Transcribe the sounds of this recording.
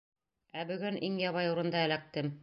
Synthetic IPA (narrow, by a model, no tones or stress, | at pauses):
æbɵ̆ɡɵnʔiŋjɑβɑjuɾɤ̆nd̪ɑælæk̚t̪ɘm